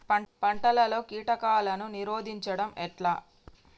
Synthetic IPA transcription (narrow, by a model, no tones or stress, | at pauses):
pɐɳʈɐlɐlo̞ːkiːʈɐkaːlɐnuniɾoːd̪ʱiɲt͡ʃɐɽɐmʔɛʈlaː